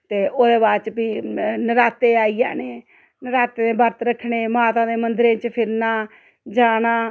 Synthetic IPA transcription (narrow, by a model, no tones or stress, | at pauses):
t̪eːʔoːd̪eːbaːt͡ʃpiːnəɾaːt̪eːaːiːa̰ːneː | nəɾaːt̪eːnẽːbəɾt̪ɾəkʰːɳeːmaːt̪ãːd̪eːmənd̪ɾẽːt͡ʃpʰɪɾnaː | d͡ʒaːnãː